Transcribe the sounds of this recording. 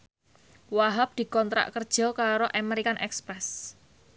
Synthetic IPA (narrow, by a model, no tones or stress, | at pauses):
waɦap̚d̪̥i̤kɔnt̪ɾa̰ʔkərd̥ʒ̥ɔ̤kaɾoʔameɾikanʔɛkspɾɛs